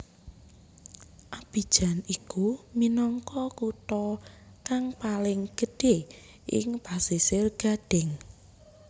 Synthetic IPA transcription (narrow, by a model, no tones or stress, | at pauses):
ʔab̥i̤d̥ʒ̥a̤nikuminɔŋkɔkut̪ɔ | kaŋpalɪŋɡ̥ə̤ɖ̥e | ʔɪ̰ŋpasisɪrɡ̥a̤ɖ̥ɛ̤ŋ